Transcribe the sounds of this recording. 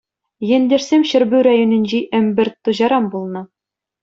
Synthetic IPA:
jĕnd̪ʲĕrsʲemɕɘ̆ɾbʉɾɑjonʲɘ̆nʲʑiʔɘ̆mbɘ̆rʲt̪ːŭʑɑɾɑmbulˠnɤ̆

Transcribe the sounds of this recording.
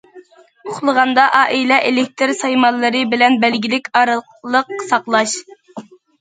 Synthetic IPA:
oχlˠəʁɑnd̪ɑʔɑːʔilɛʔelɪk̚ʲt̪ʰɨɾsɑjmɑlˠːɨɾɨbɪlɛnbɛlɡʲilɪkʲɑɾ | lˠəqsɑqlˠɑʃ

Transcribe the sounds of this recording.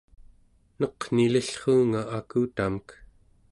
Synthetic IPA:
nʌqn̥iləɬχuːŋaʔakuːt̪amək

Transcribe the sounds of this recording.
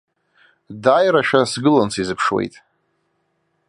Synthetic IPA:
dajɾaʃᶣasɡɨlant͡sʰizɨpʰʂwḛjtʼ

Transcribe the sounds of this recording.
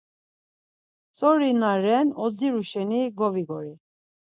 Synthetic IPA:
t͡sʼɔɾinaɾɛnɔd͡ziɾuʃɛniɡɔviɡɔɾi

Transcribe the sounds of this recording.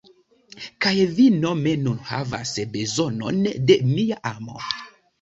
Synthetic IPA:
kajvinomenunha̰va̰sbezono̰ndemijaʔamo̰

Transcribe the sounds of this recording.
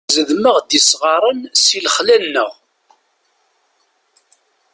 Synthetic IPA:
zəðməʁd̪isʁɑɾˤənsilχlænːəʁ

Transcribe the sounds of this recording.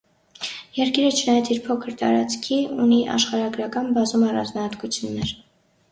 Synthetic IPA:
jɛɾkiɾət͡ʃʰənɑjɑt͡sʰiɾpʰɔkʰəɾt̪ɑ̰ɾɑ̰t͡skʰiuniʔɑ̰ʃχɑɾɑɡɾɑkɑnbɑzumɑrɑ̰nd͡znɑhɑt̪kut͡sʰjunːɛɾ

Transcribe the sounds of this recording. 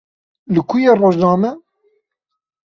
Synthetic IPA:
lɨkʰujeroːʒnɑːmɛ

